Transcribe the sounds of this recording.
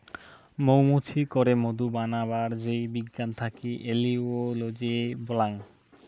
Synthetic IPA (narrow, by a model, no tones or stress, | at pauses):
mowmutʰikoɾemod̪ubanaβaɾd͡ʑejbiɡːant̪ʰakiʔeliolod͡ʑebolaŋ